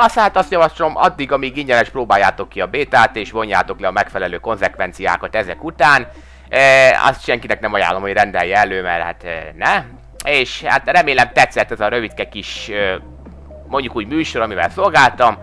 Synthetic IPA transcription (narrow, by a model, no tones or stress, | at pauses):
ɒshaːt̪ɒst̪jɒvɒʃlo̞mʔɒ̰d̪ːiɡɒmiːɡiɲɟɛnɛʃproːbaːjːaːt̪o̞kːiɒbeːt̪aːt̪eːʃvo̞ɲjaːt̪o̞klɛɒmɛkfɛlɛløːko̞nzɛkʋɛnt̪sija̰ːkɒt̪ɛzɛkut̪aːn | ɒ̰st̪ʃɛŋkinɛknɛmɒja̰ːlːo̞mhorɛnd̪ɛjːɛɛløːmɛrha̰t̪ːnɛ | eːʃha̰t̪rɛmeːlɛmt̪ɛt̪sːɛt̪ːɛzɒɾø̞vit̪kɛkiʃø | mo̞ɲɟukuːɟmyːʃo̞ɾɒmivɛ̰lso̞lɡaːlt̪ɒm